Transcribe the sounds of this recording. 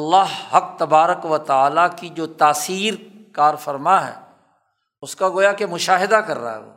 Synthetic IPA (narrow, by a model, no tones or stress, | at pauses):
ɐlːaɦhɐk̚t̪ɐbaːɾəkʋət̪aːlakid͡ʒoːt̪aːsiːɾkaːɾfəɾmaɦɛ̰ː | ʊskaɡoːjakemʊʃaːɦɪd̪akɐɾːa̰ɦɛ̰ɦo̰ː